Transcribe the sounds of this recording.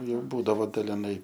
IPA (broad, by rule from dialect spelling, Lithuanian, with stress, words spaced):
ˈjɛʊ ˈbuːdɐʋoː dɐlʲɪˈnɐɪ